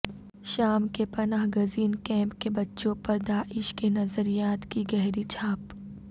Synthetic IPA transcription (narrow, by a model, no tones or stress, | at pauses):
ʃaːmkepɐnaːɦɡʊziːnkɛ̃ːmpkebɐtːʃõpɐɾd̪aːʔɪʃkenɐzəɾijaːt̪kiɡɛɦɾit͡ʃʰaːp